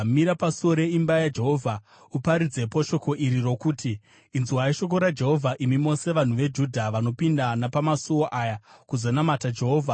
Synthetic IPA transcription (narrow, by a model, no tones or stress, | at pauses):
miɾapasoɾe̞imbajad͡ʒe̞ɦo̞vʱa | upaɾid͡ze̞poʃo̞ko̞ʔiɾiro̞kuːtiː | nzuwaiʃo̞k̬o̞ɾad͡ʒe̞ɦo̞vʱaʔimimo̞se̞ʋan̤uʋe̞d͡ʒudʱaʋano̞pindanapamasuwoʔajakuzonamatad͡ʒe̞ɦo̞ːvʱa